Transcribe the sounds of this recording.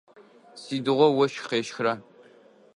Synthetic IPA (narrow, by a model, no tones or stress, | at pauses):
siːdɨʁʷɔwɐʃqeːʃxra